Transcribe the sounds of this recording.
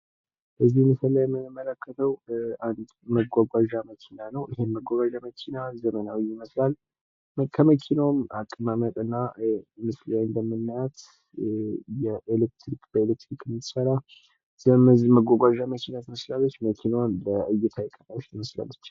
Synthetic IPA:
bəzːihmɨsəlːajɛmːɨnmːələkːət̪ʰəwand̪məɡʷaɡʷaʒaməkʰinanəwʔɪhemːəɡʷaɡʷaʒaməkʰinazəmənawijɪməslal | kʰəməkʰinamakʼːɨmamət̪ʼɨnːamɨslajɨnd̪əmːɨnːəjat̪ | jɛʔelek̚t̪ʰɾikb̥əelek̚t̪ɾikɨmːit̪səɾa | zməɡʷaɡʷaʒaməkʰinat̪əməslalːət͡ʃːməkʰinawmbəɨjːɛt̪ʰajɛkʼːənawot͡ʃːt̪ʰɨməsla̰lːət͡ʃː

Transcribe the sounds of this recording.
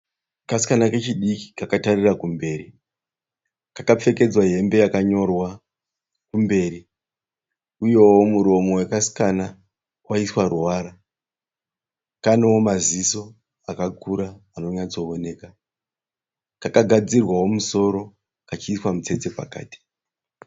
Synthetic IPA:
kasi̥kanake̞t͡ʃiɗiki̥kakatarirakumbe̞ːɾi | kakap͡fe̞ke̞d͡zwaɦe̞mbe̞jakaɲo̞rwa | kumbe̞ːɾi | uje̞womuɾo̞mo̞wekasi̥kana | waiswaruwaːɾa | kanewomaziso̞ | akakuɾaːno̞ɲat͡so̞one̞ːka | kakaɡʱad͡zirwawomuso̞ɾo̞ | kat͡ʃiːswamut͡se̞t͡se̞pa̰ka̰ːti̥

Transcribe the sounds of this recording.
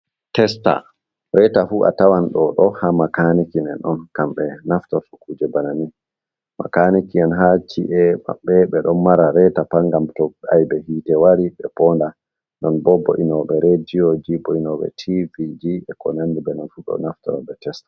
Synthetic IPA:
tɛsta̰ | ɾɛtafuʔa̰tawanɗɔɗɔhamakanikinɛnɔnkamɓɛnaftɔɾfukuːd͡ʒɛbanani | ma̰kanikiɛnɦat͡ʃiʔɛma̰ɓːɛɓɛɗɔnmaɾaɾɛtapaŋɡamtɔɓajbɛhiːtɛwaɾiɓɛpɔnda | nɔnbɔbːɔ̰ʔinɔɓɛɾɛd͡ʒiɔd͡ʒibɔinɔɓɛ̰tʰivid͡ʒiɛkɔnandibɛnɔnfuɗɔ̰naftɔ̰ɾɔ̰ɓɛtɛstḁ

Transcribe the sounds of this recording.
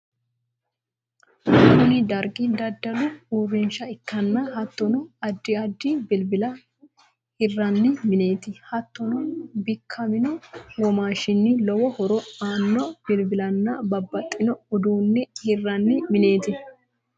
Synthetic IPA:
ʊnɪd̪ɐɾɡɪd̪ɐd̪ːɐlʊuːrːɪnʃɐɪkːɐnːɐɦɐt̪ːɔnɔɐd̪ːɪɐd̪ːɪbɪlbɪlɐ | hɪrːɐnːɪmɪne̞ːt̪ɪhɐt̪ːɔnɔbɪkʰːɐmɪnɔwɔmaːʃɪnːɪlɔwɔhɔɾɔaːnːɔbɪlbɪlɐnːɐbɐbːɐt̪ʼːɪnɔɔd̪uːnːɛhɪrːɐnːɪmɪne̞ːt̪ɪ

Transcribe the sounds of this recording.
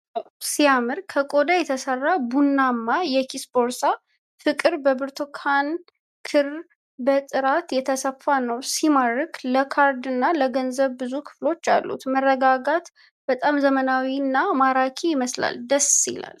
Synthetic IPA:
awsijamɨɾkʰəkʼo̞d̪ajɛt̪ʰəsərːabunːamːajɛkʰisbo̞ɾsa | fɨkʼɨɾbəbɨɾt̪ʰokʰan | kʰɨɾ | bət̪ʼɨɾat̪jɛt̪ʰəsəfːanəwsimaɾɨkləkʰaɾd̪ɨnːaləɡənzəβbɨzukʰɨ̥flo̞t͡ʃːa̰lːṵt̪mərːəɡaɡat̪ | b̥ət̪ʼamzəmənawinːamaɾakʰiɪməsla̰ld̪əsḭla̰l

